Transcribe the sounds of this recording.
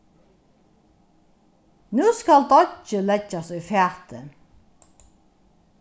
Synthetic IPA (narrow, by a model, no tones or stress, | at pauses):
nʉːskɑld̪ɑt͡ʃəlɛd͡ʒɑsœfæːʁt̪ə̰